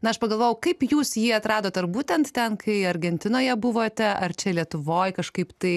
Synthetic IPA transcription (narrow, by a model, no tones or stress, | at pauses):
nɐɐʃpɐɡɐlˠʋoːjɛʊkɐɪpjuːsjiːɐt̪ɾɑːd̪oːt̪ɐrbuːt̪ʲɛnt̪t̪ʲɛnkʰɐɪɐɾʲɡʲɛnʲt̪ʲɪnoːjɛbʊʋoːt̪ʲɛʔɐrt͡ʃʲɛlʲiɛt̪ʊʋoːjkɐʃkɐɪpt̪ɐɪ